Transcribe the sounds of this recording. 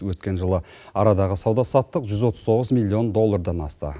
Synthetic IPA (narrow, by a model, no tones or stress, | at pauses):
wɵt̪kʲe̞nʒəlˠə | ɑɾɑd̪ɑʁəsɑwd̪ɑsɑt̪ːəqʒʏzwo̞t̪əzt̪ʰo̞ʁəzmilʲːio̞nd̪o̞lˠːɑrd̪ɑnɑst̪ə̰